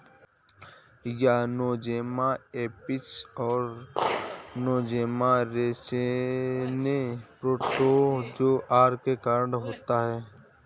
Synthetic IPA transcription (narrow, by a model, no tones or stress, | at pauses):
janoːd͡ʒeːmaeːpɪt͡ʃɔːɾ | noːd͡ʒeːmaɾeːse | nepɾoːʈod͡ʒoːʔaːɾkekaːɾɖɦoːt̪aɦɛː